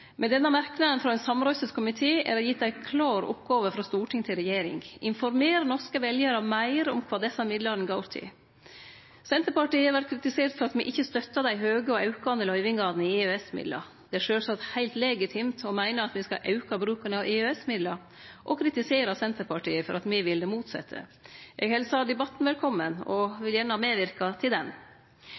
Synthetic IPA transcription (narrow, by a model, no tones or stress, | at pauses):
mʔɛd̪ɛnːəmæɾknɑd̪ənfɾɑɛɪnsɑmɾœʏsəskʰʊmɪt̪ʰeːʔæ̰ɾɔjɪt̪d̪æɪkʰlɑːɾʊ̰pɡɑːʋəfɾɑst̪uːʈʰɪŋt̪ʰɪlɾɛjeːɾɪ̰ŋʔɪnfɔɾmeːɾənɔʂkəʋɛljəɾɑmæɪɾɔmkʰʋɑːd̪ɛsɑmɪd̪lɑɾnɡɑʊɾt̪ʰɪ̰ | sɛnt̪əɾpɑʈiːɑʋæʈ̚kʰɾɪt̪ɪseːɾt̪fɔɾɑt̪mɪʔɪçːəst̪œt̪ːɑd̪æɪɦøːɡəɔɑʉkɑnd̪əlœʏʋɪŋɡɑːd̪nɪɪøɛsmɪ̰d̪lɑ̰ | d̪̥ɛæʂøːsɑt̪hæɪlt̪leːɡɪt̪ʰɪmt̪ɔmæɪnəɑt̪mɪskɑ̰ʔɑʉkɑbɾʉːkənəɑʋɪøːɛsmɪd̪lɑ | ʔɔkʰɾɪt̪ɪseːɾɑsɛnt̪əɾpʰɑʈiːəfɔɾʔɑt̪mɪʋɪld̪ɛmuːt̪sɛ̰t̪ʰːə̰ʔɛ̰ɡhɛlsɑd̪ɛbɑt̪ːnʋɛlkʰɔmːənɔʋɪljæːnəhɑːmeːʋɪɾkɑt̪ʰɪld̪ɛn